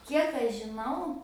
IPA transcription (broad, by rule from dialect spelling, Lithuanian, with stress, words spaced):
ˈkʲiɛk ɐʃ ʒʲɪˈnɐʊ